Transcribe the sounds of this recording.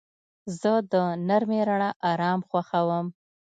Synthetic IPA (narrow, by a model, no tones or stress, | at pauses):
zəd̪ənaɾmeɾaɳaʔɑɾɑmxwaxawəm